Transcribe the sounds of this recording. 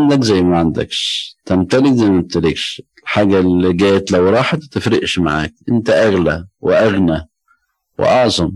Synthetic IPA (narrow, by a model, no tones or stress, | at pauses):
nd̪ækzæjːmaʕand̪æ̰kʃt̪æmt̪ælɪkzæjmæmt̪ælɪkʃɪlħaːɡæliɡæːjæt̪læwɾˤɑːħt̪t̪ɪfɾɪʔʃmaʕa̰ːk̚ʔɪnt̪æʔæɣlæwɪ̰ʔæɣna | wɪ̰ʔɑʕzˤɑm